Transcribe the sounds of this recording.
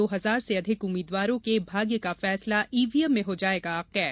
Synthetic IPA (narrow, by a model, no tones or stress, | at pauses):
oːɦɐzaːɾseɐd̪ʱɪkʊmːiːd̪waːɾõkebʱaːɡjəkafɛːslaʔiːʋiːjəmːẽɦod͡ʒaːeːɡaqɛːɾ